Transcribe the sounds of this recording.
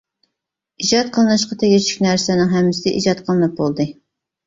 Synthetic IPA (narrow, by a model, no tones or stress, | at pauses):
id͡ʒɑt̪̚qʰəlˠɨnɨʃqʰɑt̪ʰɛɡʲɪt͡ʃʰy̥kʲnæɾsɛnɪŋɦɛmːɪsɪd̪ɛ̰ʔḭd͡ʒɑt̪qʰəlˠɨnɨp̚bolˠd̪ɨ